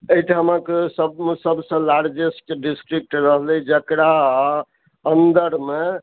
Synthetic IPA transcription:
ejʈamãkesəbsəbsə̃laɾd͡ʒesʈɖisʈɾik̚ʈɾəɦlɛd͡ʒəkɾaː | ənd̪əɾme

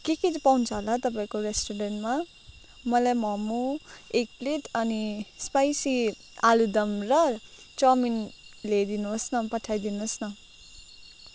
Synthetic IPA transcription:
kekid͡zpawnt͡sʰʌɦolat̪ʌp̬aĩkoɾesʈoɾenʈma | mʌlajmʌmuek̚plit̪ʌnispajsi | alud̪ʌmrʌ | t͡sʌminled̪inuɦsnʌpʌʈʰːajd̪inosnʌ

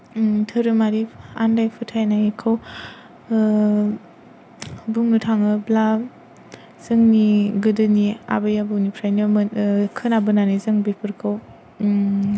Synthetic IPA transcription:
tʰɯɾɯmaɾia̰ndajpʰɯtʰajnajikʰaw | buŋnɯtʰaŋɯbla | z̥ɯŋniɡɯdɯnia̰bajabɯnipʰɾajnɯmɯkʰɯnabɯnanizɯŋbipʰɯɾkʰɯw

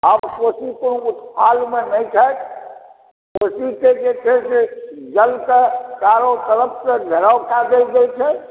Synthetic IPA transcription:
əbkosikonout̪pʰalmenəjt͡ʃʰat̪ | posiked͡ʒet̪ʰesed͡ʒəlkəkaɾot̪ələp̚səɡ̪ʱəɾawkad̪elɡ̪elt͡ʃʰɛ

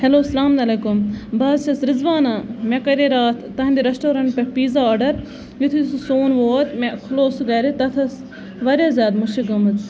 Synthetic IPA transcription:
hɛloːsɐlaːmɐlekumbaːzt͡ʃɐsɾɪzʋaːnaːmẽkɐɾeːɾaːt̪ʰːɐɦnd̪iɾɐsʈoːɾɐɳʈpɐpiːzaoːɖɐɾ | jit̪ʰususoːnʋoːt̪mɛxʊloːsuɡɐɾit̪ɐt̪ʰɐs | ʋɐɾʲjaːzʲjaːd̪muʃiɡɐmɐt̪

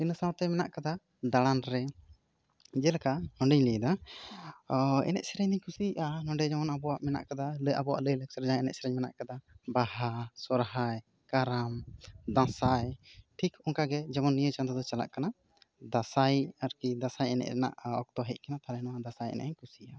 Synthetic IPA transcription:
insãwɾt̪ɛmɛna̰ʔkad̪a | ɖaɽanɾɛ | d͡ʒɛlakanɔɳɖɛɲlijd̪a | ɛ̰nɛ̰ʔsɛɾɛɲd̪iɲkusiʔanɔ̃ɳɖɛd͡ʒamɔnabɔwaʔmɛna̰ʔkad̪aləjʔa̰bɔwa̰ʔləjləksəɾd͡ʒãɛnɛ̰ʔsɛɾɛɲmɛna̰ʔkad̪abahasɔɾɦaj | kaɾamd̪ãsajʈʰikɔŋkaɡɛd͡ʒamɔnːijət͡ʃand̪ɔd̪ɔt͡ʃala̰ʔkana | d̪asajaɾkid̪asajɛnɛ̰ʔɛna̰ʔɔk̚t̪ɔɦɛc̚kanat̪aɾɛnɔwad̪asajɛ̰nɛ̰ʔɲkusiʔa

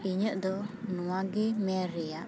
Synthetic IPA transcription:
iɲəʔd̪ɔnɔwaɡɛmɛɾɛjaʔ

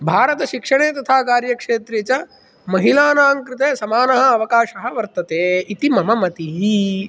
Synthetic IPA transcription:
bʱaːɾɐt̪ɐʃikʂɐɳ̃eːt̪ɐt̪ʰaːkaːɾjɐkʂeːt̪ɾet͡ʃɐ | mɐɦilaːnaːŋkɾɪt̪eːsɐmaːnɐɦɐ̆ɐʋɐkaːʃɐɦɐ̆ʋɐɾt̪ɐt̪eːit̪imɐmɐmɐt̪iɦi

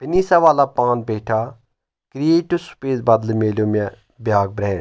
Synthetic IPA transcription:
peniːsaʋaːlaːpãːnbeːʈʰa | kɾieːʈusu̥peːzbɐd̪lmeːloːmɛ | bjaːɡ̚bɾɛːn

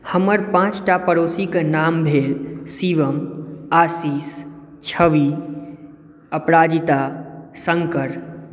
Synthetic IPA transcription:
həməɾpãːt͡ʃʈapəɾoːsiknaːmbʱeːlsiʋəmaːsiːs | t͡ʃʰəʋi | əpɾaːd͡ʒit̪asə̃ŋkəɾ

